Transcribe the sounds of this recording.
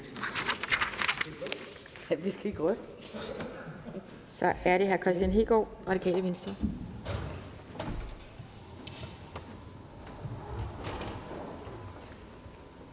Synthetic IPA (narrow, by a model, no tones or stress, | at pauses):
ʋisɡ̥æiɡ̥ʁœsd̥ə | sɒ̽ʔæɐɾe̝ɦæɐkʰʁɛsd̥jænɦe̝ɡ̥ɒʁɑ̈ɾikʰɛ̰ːləʋe̝nsd̥ɐ